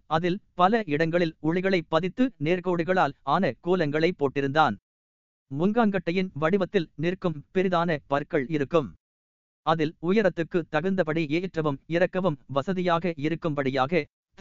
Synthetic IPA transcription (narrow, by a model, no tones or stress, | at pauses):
ɐðɪlpɐlɐɪɽɐŋɡɐɭɪlʊɻɪɣɐɭɐɪpːɐðɪt̪ːɯneːɾkoːɽɯɣɐɭaːlaːnɐkuːlɐŋɡɐɭɐɪpːoːʈːɪɾɯnd̪aːn | mʊŋɡaːŋɡɐʈːɐjɪnʋɐɽɪʋɐt̪ːɪlnɪrkɯmpɛɾɪðaːnɐpɐɾkːɐɭɪɾɯkːɯm | ɐðɪlʊjɐɾɐt̪ːɯkːɯt̪ːɐɣɐɾnd̪ɐpɐɽieːʈrɐʋɯmɪɾɐkːɐʋɯmʋɐsɐðɪjaːɣɐɪɾɯkːɯmpɐɽɪjaːɣɐ